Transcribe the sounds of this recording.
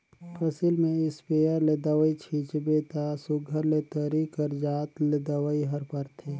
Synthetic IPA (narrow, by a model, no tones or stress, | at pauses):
pʰɐsilmẽɪspeːəɾled̪əʋəit͡ʃʰit͡ʃbet̪asʊɡʱəɾlet̪əɾikəɾd͡ʒaːt̪led̪əwəiɦɐɾpəɾt̪ʰeː